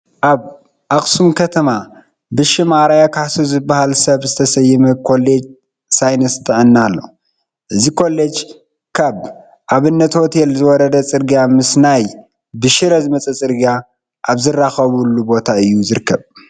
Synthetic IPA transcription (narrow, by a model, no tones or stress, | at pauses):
ʔaβ | ʔaχʼsumkʰɐt̪ʰɐma | bɨʃɪmaɾajakʰaħsuzɨbːahalsɐβzɨt̪ʰɐsɐjːɪmɐkʰo̞led͡ʒ | sajnɐst̪ʰʼɨʕɨnːalːo̞̰ | ʔɨzikʰo̞lːed͡ʒ | kʰaβ | ʔaβɨnːɐt̪ot̪ʰelzɨwɔɾɐd̪ɐt͡sʼɨɾɡjamɨsnaj | bɨʃɪɾɐzɨmɐt͡sʼɐt͡sʼɨɾɡa | ʔaβzɨrːaxɐβulːubo̞t̪ʰaɨjːuzɨɾɨkʰːɐβ